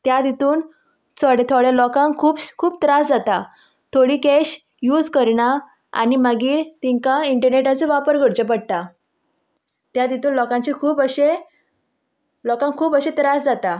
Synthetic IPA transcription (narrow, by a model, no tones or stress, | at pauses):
t̪jad̪it̪uːn | t͡sʰɔɽet̪ʰɔɽjalɔkãŋkʰuːbkʰuːbt̪ɾasd͡zat̪a | t̪ʰoɽiːkeɕ | juːd͡zkəɾɳa | a̰nimaɡiːɾt̪iŋkaiɳʈəɾneʈat͡sɔʋapəɾɡʱəɽt͡ɕəp̬əɽt̪a | t̪jad̪it̪uːnlɔkãɲt͡ɕikʰuːpəɕe | lɔkãŋkʰuːpəɕet̪ɾasd͡zat̪a